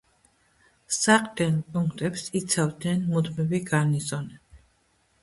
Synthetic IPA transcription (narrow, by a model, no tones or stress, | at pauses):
saqʼd̪ɛnpʼuŋkʰt̪ʼɛpsit̪sʰavd̪nɛnmud̪mibiɡanizɔnɛ